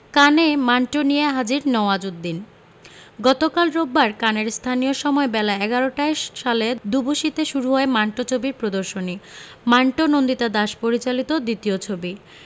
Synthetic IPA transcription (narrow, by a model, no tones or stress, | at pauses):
kanemaɳʈonijeɦad͡ʑiɾnɔoad͡ʑud̪d̪in | ɡɔt̪okalɾobːaɾkaneɾst̪ʰanijoʃɔmɔebɛlaɛɡaɾoʈaeʃaled̪uboʃit̪eʃuɾuɦɔemaɳʈot͡ɕʰobiɾpɾod̪oɾʃoni | maɳʈonond̪it̪ad̪aʃpoɾit͡ɕalit̪od̪it̪iot͡ɕʰobi